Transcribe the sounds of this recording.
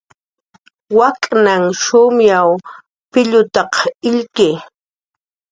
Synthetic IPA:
wakʼnaŋʃʊmjaw | pɪʎʊt̪ɑqɪʎkeː

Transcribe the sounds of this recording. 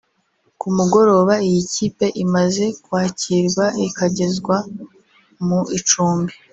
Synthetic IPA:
kumuɡo̞ɾo̞ːβaijiciːpe̞ʔimaze̞kwaːciɾɡwaikaɟe̞zɡwa | muit͡ʃuːmbi

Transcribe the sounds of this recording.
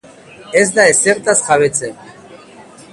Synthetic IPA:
ɛs̬d̪aɛsɛɾt̪ʼasχavɛt͡sʰʼɛ

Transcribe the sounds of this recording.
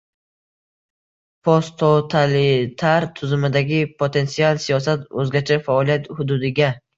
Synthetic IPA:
pʰost̪ʰot̪ʰalɪt̪ʰaɾt̪ʰʊzɪmɪd̪aɡʲɪpʰot̪ʰe̞nt̪sialˠsijɒsat̪ɵzɡʲat͡ʃʰafaɒlijat̪hʊd̪ʊd̪ɪɡʲa

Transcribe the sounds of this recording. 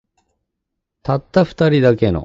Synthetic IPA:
t̪at̪ːaɸɯ̟̥t̪aɾʲid̪ake̞no̰

